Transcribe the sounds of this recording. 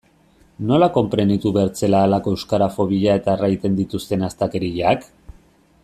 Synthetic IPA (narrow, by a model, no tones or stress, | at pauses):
no̞lako̞mpɾe̞nd̪it̪uβeɾt͡se̞laːlako̞ewskaɾafo̞βiʎae̞t̪aerajt̪e̞nd̪it̪ust̪e̞nast̪ake̞ɾiʝak